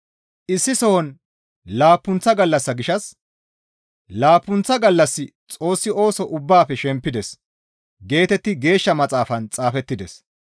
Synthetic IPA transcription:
ʔɪsːɪsɔwɔn | laːpːʊnt͡sːɐɡɐlːɐsːɐɡɪʃɐs | laːpːʊnt͡sːɐɡɐlːɐsːɪt͡sʼo̞ːsːɪʔo̞ːsɔʔʊbːaːfɛʃɛmpːɪd̪ɛs | ɡe̞ːt̪ɛt̪ːɪɡe̞ːʃːɐmɐt͡sʼaːfɐnt͡sʼaːfɛt̪ːɪd̪ɛs

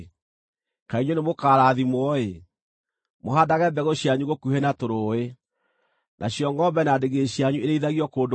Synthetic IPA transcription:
kaiɲonemokaɾaðimwɔe | moɦadaɣɛbɛɣoɕijaɲuɣokuhenatoɾoe | nʔaɕjɔŋɡɔmbɛnadeɣeɕiaɲueɾeiðaɣiɔkoːnd

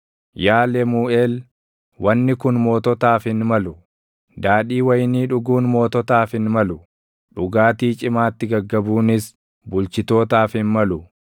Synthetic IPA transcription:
jaːlɛmuːeːl | wʔɐnːɪkʊnmo̞ːt̪ɔt̪aːfɪnmɐlʊ | d̪aːɗiːwɐjniːᶑʊɡuːnmo̞ːt̪ɔt̪aːfɪnmɐlʊ | ᶑʊɡaːt̪iːt͡ʃʼɪmaːt̪ːɪɡɐɡːɐbuːnɪs | bʊlt͡ʃɪt̪o̞ːt̪aːfhɪnmɐlʊ

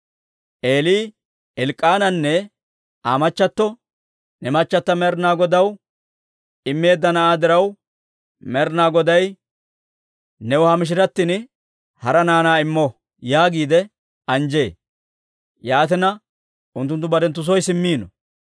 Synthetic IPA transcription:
ʔeːliː | ɛlkʼːaːnɐnːɛ | aːmɐt͡ʃːɐt̪ːɔ | nɛmɐt͡ʃːɐt̪ːɐmɛɾnaːɡɔd̪ɐw | ɪmːe̞ːd̪ːɐnɐʔaːd̪ɪɾɐw | mɛɾnaːɡɔd̪ɐj | nɛwʊhamɪʃ̬ɪɾɐt̪ːɪn | hɐɾɐnaːnaːɪmːɔ | jaːɡiːd̪ɛ | ɐnd͡ʒe̞ː | jaːt̪ɪnɐ | ʔʊnt̪ːʊnt̪ːʊbɐd̪ɛnt̪ːʊs̬ɔjsɪmːiːnɔ

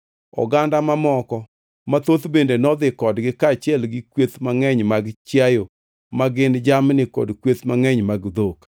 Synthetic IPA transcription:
ɔ̰ɡandamamɔkɔ | mat̪ot̪bendenɔd̪ɪkɔdɡɪkat͡ʃjɛlɡɪkwet̪maŋɛɲmaɡt͡ʃjajo | maɡɪnd͡ʒamnɪkɔ̰dkwet̪maŋɛɲmaɡd̪ok

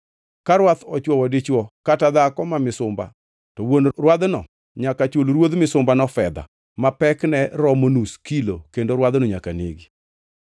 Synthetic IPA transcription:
kaɾwat̪ɔt͡ʃwɔwɔdit͡ʃwɔkatad̪akɔmamɪsʊmba̰ | tɔwonrwad̪nɔ̰ | ɲakat͡ʃolɾwod̪mɪsʊmbanɔfɛd̪a̰ | mapɛknɛɾɔmonuskilokendoɾwad̪noɲakanḛɡi

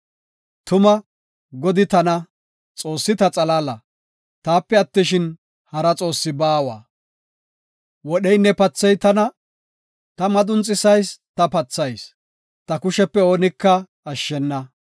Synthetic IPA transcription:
t̪ʊmɐ | ɡɔd̪ɪt̪ɐnɐ | t͡sʼo̞ːsːɪt̪ɐt͡sʼɐlaːlɐ | t̪aːpːɛɐt̪ːɪʃɪn | hɐɾɐt͡sʼo̞ːsːɪbaːwa̰ː | wɔɗɛjnːɛpɐt͡sːɛjt̪ɐnɐ | t̪ɐmɐd̪ʊnt͡sʼːɪsɐjst̪ɐpɐt͡sːɐjs | t̪ɐkʊʃɛpːɛo̞ːnɪkːɐ | ɐʃːɛnːɐ

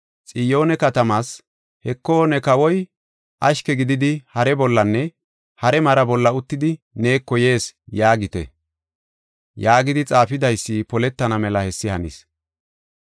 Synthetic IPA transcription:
t͡sʼɪjo̞ːnɛkɐt̪ɐmaːs | hɛkːo̞ːnɛkɐwɔj | ʔɐʃkɛɡɪd̪ɪd̪ɪhɐɾɛbɔlːɐnːɛ | hɐɾɛmɐɾɐbɔlːɐʊt̪ːɪd̪ɪ | ne̞ːkːɔje̞ːsjaːɡɪt̪ɛ̰ | jaːɡɪd̪ɪt͡sʼaːfɪd̪ɐjsːipɔlɛt̪ːɐnɐmɛlɐhɛsːɪhɐnḭs

